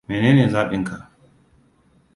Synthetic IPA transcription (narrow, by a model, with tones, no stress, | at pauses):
meː˨neː˦neː˨zaː˦ɓɪ˦ŋkʰa˨